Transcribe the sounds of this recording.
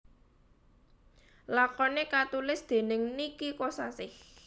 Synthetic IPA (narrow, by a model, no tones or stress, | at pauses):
lakɔnekat̪ulɪsd̪̥e̤nɪŋnikikosasɪh